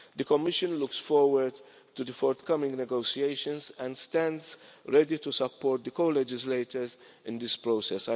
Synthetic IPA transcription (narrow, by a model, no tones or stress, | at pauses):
d̪əkɔmɪʃə̃nlʊksfɔɹwəd | tud̪əfɔɹt̪kʌmɪ̃ŋnɛɡoʊsieɪʃə̃nzæ̃ndstæ̃ndzɹɛditusəpʰːɔːɾt̪̚d̪əkoːlɛd͡ʒɪsleɪtə˞z | ɪ̃nd̪ɪspɹosɛsa